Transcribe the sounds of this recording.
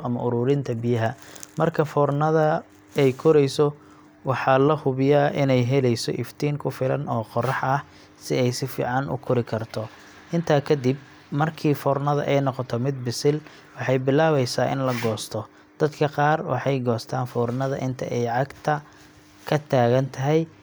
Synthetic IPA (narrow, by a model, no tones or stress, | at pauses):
ɐmɐʔʊɾuːɾɪnt̪ʰɐbɪjɐɦɐmɐrkʰɐfɔːrnɐðɐ | ɛjkʰʊɾɛjsɔ | wɑħɑːlɐhʊβɪjaːʔɪnɛjɦɛlɛjsɔ̰ʔɪft̪ʰiːŋkʰʊfɪlɐ̰nɔːqɔrɑħɐh | sɪɛjsɪfḭːʕɑnʔʊ̰kʰʊɾɪkʰɐrt̪ʰɔ | ʔɪnt̪ʰaːkʰɐd̪ib̚ | mɐrkʰiːfɔːrnɐðɐ̰ʔɛjnɔqɔt̪ʰɛmɪd̪̚bɪsɪl | wɑħɑjbɪlaːβɛjsaːʔɪ̰nlɐɡɔːst̪ʰɔ | d̪̥ɐd̪kʰɐqɑːrwɑ̰ħɑjɡɔːst̪ʰaːnfɔːrnɐðɐʔɪnt̪ʰɐ̰ʔɛjʕɑɡt̪ʰɐ | kʰɐt̪ʰaːɣɐnt̪ʰɐɦɛj